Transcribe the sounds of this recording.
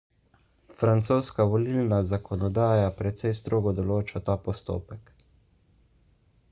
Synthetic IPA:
fɾant̪soːskaʋɔlilnazakʰɔnɔd̪aːjapɾɛt̪sɛjst̪ɾoːɡɔd̪ɔloːt͡ʃat̪aːpɔst̪o̰ːpɛk

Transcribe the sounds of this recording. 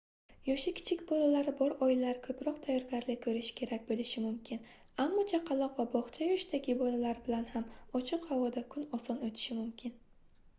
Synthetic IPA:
jɒʃɪkʲʰɪ̥t͡ʃʰɪkʲbɒlalaɾɪbɒɾɒjɪlaɾɪkʰɵpɾɒq̚t̪ʰajɒɾɡʲaɾlɪkʰɵɾɪʃɪ̥kʲʰe̞ɾakʲbolɪʃɪmʊmkʲʰɪn | amːɒt͡ʃʰaqʰɑlˠɒqvabɒχt͡ʃʰajɒʃd̪aɡʲɪbɒlalaɾbɪlanhamɒt͡ʃʰɪqhavɒd̪akʰʊnɒsɒnɵt̪ʰɪ̥ʃɪmʊmkʲʰɪn

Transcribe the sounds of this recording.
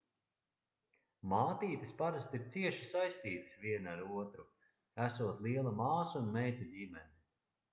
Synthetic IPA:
maːt̪iːt̪ɨspaɾast̪iɾt̪siɛʃi̥sajst̪iːt̪ɨ̥sviɛnaɾuɔt̪ɾu | æsuɔt̪lˠiɛlˠamaːsunmɛjt̪uɟimɛni

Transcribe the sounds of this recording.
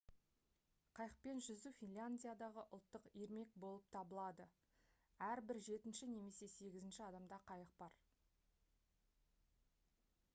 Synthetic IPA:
qʰɑjəq̚pe̞nʒʏzufʲinlʲanʲdʲijad̪ɑʁəʔʊlˠt̪ːəqiɾme̞k̚bo̞lˠəp̚t̪ʰɑbəlˠɑd̪ə | æɾbɪɾʒe̞t̪ɪnʃɪne̞me̞se̞se̞ɡʲɪzɪnʃɪɑd̪ɑmd̪ɑqʰɑjəq̚bɑɾ

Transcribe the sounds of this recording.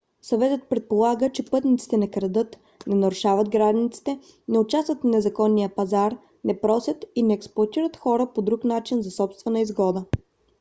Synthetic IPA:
sɐvɛt̪ət̪̚pɾɛt̪̚polˠaɡət͡ʃɛpɤt̪nit̪si̥t̪ɛnɐkɾɐd̪ɤt̪ | nɛnɐɾʊʃavəd̪ɡɾad̪nit̪si̥t̪ɛ | nɛʊt͡ʃast̪vət̪fnɛzɐkɔnːijəpɐzaɾ | nɛpɾɔsʲət̪inɛːksplˠʊɐt̪iɾət̪xɔɾəpod̪ɾuknat͡ʃinzɐsɔpst̪vɛnəizɡɔd̪ə

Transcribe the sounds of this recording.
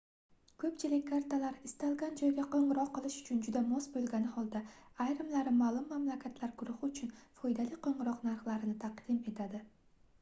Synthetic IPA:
kʰɵpt͡ʃʰɪlɪkʲkʰːaɾt̪alaɾɪst̪alˠɡʲand͡ʒɒjɡʲaqʰoɴɨɾɒqːɨlˠɪʃʊ̥t͡ʃʰʊnd͡ʒʊd̪amɒsbolˠɡʲanɪhɒlˠd̪aajɾɪmlaɾɪmalˠʊmːamlakʲʰat̪ʰlaɾɡʊɾʊhɪʊt͡ʃʰʊnfɒjd̪alɪqʰoɴɨɾɒqnaɾχlˠaɾɪnɪt̪ʰɑqd̪ɪme̞t̪ʰad̪ɪ

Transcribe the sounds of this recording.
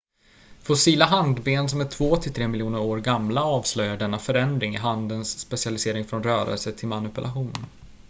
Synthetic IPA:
fɔsiːlaɦand̪beːnsɔmæʈʰvoːt̪ʰɪlt̪ʰɾeːmɪljuːnəɾoːɾɡamlaɑːvslœjːaɖɛnːafœɾɛnd̪ɾɪŋɪ̰ɦand̪ənsːpɛsɪalɪseːɾɪŋfɾɔnɾœːɾə̰lsət̪ʰɪlmanɵpɵlʔaɧuːn

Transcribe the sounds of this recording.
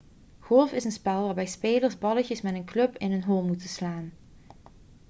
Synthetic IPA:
ɣɔlˠfɪsənspɛlˠʋaːɹbɛjspeːləɹzbɑləcəsmɛtənklɵpɪnɦənɦolˠmutənslaːn

